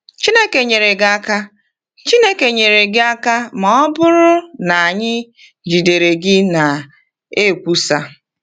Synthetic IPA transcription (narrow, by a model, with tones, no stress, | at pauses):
t͡ʃi˦ne˦ke˨ɲe˨ɾe˨ɡa˦ka˦ | t͡ʃi˦ne˦ke˨ɲe˨ɾe˨ɡɪ˦a˦ka˦ma˨ɔ˦bʊ˦ɾʊ˦na˨a˨ɲɪ˦ | d͡ʒi˨de˨ɾe˨ɡɪ˦na˨ | e˦˨kʷu˦sa˦